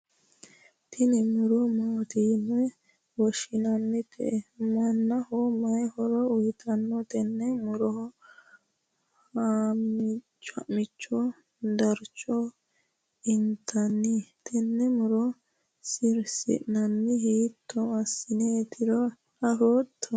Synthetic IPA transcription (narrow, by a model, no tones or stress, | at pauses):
t̪ʰɪnɛmʊɾɔmaːt̪iːnɔɛ | wɔʃɪnɐnːɪpʰɛ̰ɛmɐnːɐhɔmɐjhɔɾɔʊjt̪ʰɐnːɔt̪ɛnːɛmʊɾɔhɔ | hamɪt͡ʃt͡ʃːɐ̰ʔmɪt͡ʃːɔ | d̪ɐɾt͡ʃʼːɔ | ɪnt̪ʰːɐnːit̪ʰɛnːɛmʊɾɔ | sɪɾsɪ̰ʔnɐnːɪɦiːt̪ʰːɔɐsːɪneːt̪ːɪɾɔ | ɐfoːt̪ʰːɔ